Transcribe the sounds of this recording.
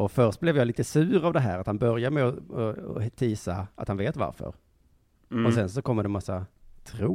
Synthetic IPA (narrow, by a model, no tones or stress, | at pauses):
ɔfœɾʂt̪̚blɛvjɑːliːt̪əsʉ̟ːɾavd̪ɛɦæ̰ːɾat̪hanbœɾjamɛɔɔɔ̰t̪ʰiːsaa̰t̪hanveːt̪va̰ɾfœ̰ɾ | ɔsɛns̬ɔkʰɔmːd̪ɛmasːat̪ʰɾuː